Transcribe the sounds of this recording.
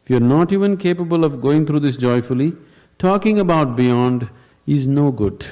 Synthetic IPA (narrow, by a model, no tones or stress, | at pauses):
ɪfjuəɾnɔːʈiːʋə̃nkʰeːpəbəlɔʋɡoːɪ̃ŋt̪ʰɾuːd̪ɪs̬d͡ʒɔɪfʊli | ʈʰɔːkɪ̃ŋəbaʊʈ̚bijɔ̃ːnɖ | ɪznoːɡʊɖ̥